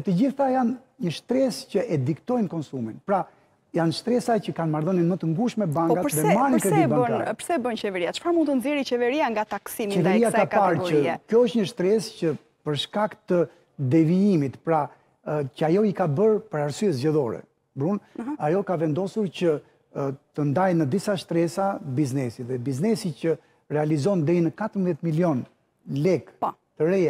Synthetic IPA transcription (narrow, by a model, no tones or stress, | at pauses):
ɛt̪əd͡ʑiθajan | ɲəʃt̪ɾɛscəʔɛd̪ikt̪ɔjnkɔnsuminpɾa | janʃt̪ɾɛsajcəkanmaɾðəninmət̪əŋɡuʃmɛbaŋɡatəɾðɛɛmankəibaəpəɾsɛɛbənt͡ɕɛvɛɾiat͡ʃə̥faɾmunt̪ənzjɛɾit͡ɕɛvɛɾiaŋɡat̪aksimt͡ʃɛvɛɾiat̪akpaɾɡɔɾəkjɔəʃtɲəʃt̪ɾɛscə | pəɾʃkakt̪ə | d̪ɛviimit̪pɾa | cəajɔikabəɾpəɾaɾsyɛzɟɛðɔɾɛ̰ | bɾunajɔkavɛnd̪ɔsuɾcə | t̪ənd̪ajnəd̪isaʃt̪ɾɛsabiznɛsiðɛbiznɛsicə | ɾɛalizɔnd̪ɛinəkat̪ɾmðjɛt̪miljɔn | lɛɡpɔt̪əɾɛja